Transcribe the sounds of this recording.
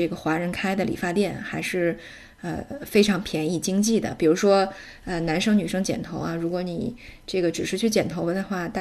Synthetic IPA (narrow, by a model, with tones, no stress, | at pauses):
ɡə˩xwa˧˥ɻə˧˥nkʰa˥ɪd̪ə˨lḭ˨˩fa˥˧t̪jɛ˥˩nxa˧˥ɪʂɻ̩˥˩ | ə̰˧fe˥ɪʈ͡ʂʰɑ˧˥ŋpʰjɛ˧˥ni˥˩t͡ɕi˥ŋt͡ɕi˥˩d̪ə̰˩pi˨˩ɻu˧˥ʂwɔ˥ | ə˧na˧˥nʂɤ˥ŋny˨˩ʂɤ˥ŋt͡ɕjɛ̰˨˩nt̪ʰo˧˥ʊa˧ɻu˧˥kwɔ˧˥ni˨˩ʈ͡ʂɤ˥˩ɡə˩ʈ͡ʂɻ̩˨˩ʂɻ̩˥t͡ɕʰy˥˩t͡ɕjɛ˨˩nt̪ʰo˧˥ə˧˥d̪ə˧xwa˥˩t̪a˥˩